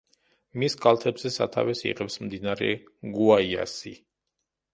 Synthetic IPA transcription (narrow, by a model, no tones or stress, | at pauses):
miskʼalˠt̪ʰɛbzɛsa̰t̪ʰa̰vɛsḭʁɛpsmd̪inaɾɛ̰ | ɡuaia̰si